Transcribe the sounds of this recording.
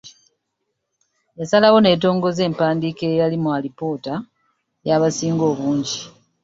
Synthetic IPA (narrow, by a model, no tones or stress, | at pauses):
jasalawo̞ne̞ːt̬o̞ːŋɡo̞ze̞ːmpaːndikejalimwalipo̞ːta | jaːβasiːŋɡo̞ːβuːɲɟi